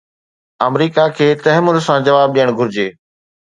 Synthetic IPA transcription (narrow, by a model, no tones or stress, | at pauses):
ɐmɾiːkakʰeːt̪ɐɦɪmʊn̆sãd͡ʑɐʋaːb̚ɗijəɽ̃ɡʱʊɾɪd͡ʑeː